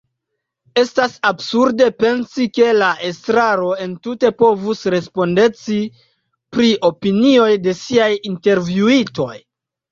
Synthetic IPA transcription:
e̞stasabsuɾde̞pe̞nsike̞laʔe̞stɾaɾo̞e̞ntute̞po̞vusɾe̞spo̞nde̞t͡si | pɾiʔo̞pinio̞jde̞siajinte̞ɾvjuito̞j

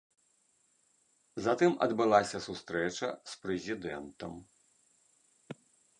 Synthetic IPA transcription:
zɐt̪ɨmɐ̰d̪bɨlˠasʲɐsust̪ɾɛt͡ʂɐ̰spɾɛzʲid̪ɛnt̪ɐm

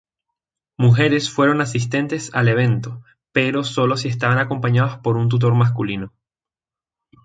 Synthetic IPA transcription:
muxe̞ɾe̞sfwe̞ɾo̞nasist̪e̞nt̪e̞sale̞β̞e̞nt̪o̞ | pe̞ɾo̞so̞lo̞s̬ies̬t̪aβanako̞mpaɲaðospo̞ɾunt̪̬ut̪̬o̞ɾmas̬kulino̞

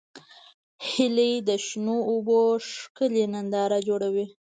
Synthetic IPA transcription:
hɪled̪əʃnoːboʂkəlenand̪ɑɾad͡ʒoɽawi

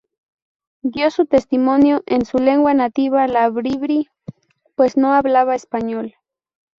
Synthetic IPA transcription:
d̪josut̪est̪imonjoʔensule̞ŋɡwanat̪iβalaβɾiβɾi | pwe̞snoaβlaβaespaɲol

